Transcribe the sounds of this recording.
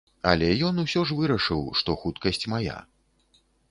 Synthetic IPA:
ɐ̰lʲɛjɔnusʲɔʐvɨɾɐʂɨwʂt̪ɔxut̪kɐsʲt͡sʲmaja̰

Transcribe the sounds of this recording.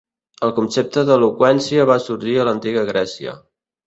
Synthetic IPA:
əlˠkunsep̚t̪əðəlukwɛnsiəβ̞asuɾʒiələnt̪iɣəɣɾɛsiə̰

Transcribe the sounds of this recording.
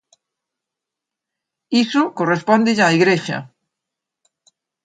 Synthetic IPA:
isokorespɔnd̪ɪʎaiɣɾeʃɐ̰

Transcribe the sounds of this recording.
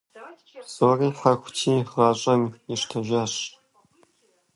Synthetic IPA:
z̥oːriːħaxʷtʰiːʁaːɕʼɐmɪʂtʰɐʒaɕ

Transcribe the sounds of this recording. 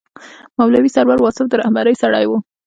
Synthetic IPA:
mawlawisaɾwaɾwɑsɪfd̪əɾahbaɾəjsaɽajwu

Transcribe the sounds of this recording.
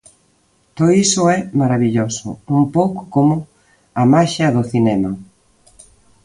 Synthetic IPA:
t̪oðoisʊɛmaɾaβiʎosʊ̰umpowkʊ̥komʊ | ɐmaʃɐðʊθinɛmɐ

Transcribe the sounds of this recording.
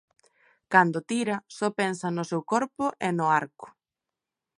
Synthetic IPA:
kand̪ot̪iɾɐsɔpensɐnʊsewkɔɾpʊʔenʊaɾkʊ̥

